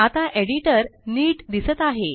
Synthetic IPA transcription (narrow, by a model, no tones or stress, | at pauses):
at̪aʔeɽiʈəɾniːʈd̪isət̪aɦe